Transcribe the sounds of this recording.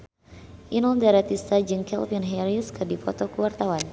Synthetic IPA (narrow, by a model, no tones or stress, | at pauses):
ʔinɔldaɾat̪ist̪ad͡ʒɨŋkɛ̰lvinɦɛɾiskɨrdipɔt̪ɔkəwart̪awan